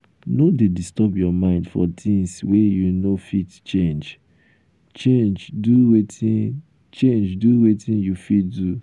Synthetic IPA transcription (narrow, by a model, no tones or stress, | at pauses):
nodedistɔbjɔmãɪ̃ndfɔ̰tʰĩŋswejunofitt͡ʃẽnd͡ʒ | t͡ʃend͡ʒduwetĩ | t͡ʃẽnd͡ʒduwetĩnjufitdu